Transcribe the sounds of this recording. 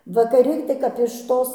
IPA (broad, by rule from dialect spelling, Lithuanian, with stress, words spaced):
ʋɐkɐˈrʲɪ tɐɪ kɐp ɪʃ ˈtoːs